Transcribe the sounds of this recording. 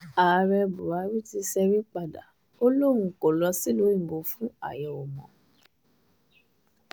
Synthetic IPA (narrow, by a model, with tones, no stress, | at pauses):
a˨˧ɾɛ˧bu˨a˨˦ɾi˦ti˧sɛ˧ɾi˦k͡pa˧˨da̰˨ | o˦lo˦ɾ̃ũ˧ko˨lɔ˧˦si˦lo˨˦ĩ˦˨bo˧fũ˦a̰˦˨jɛ˨ɔ˨mɔ̃˨